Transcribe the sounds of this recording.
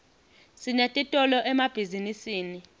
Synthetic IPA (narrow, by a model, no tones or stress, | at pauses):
sinɛtʼitʼɔlɔʔɛmab̥ʱizinisiːni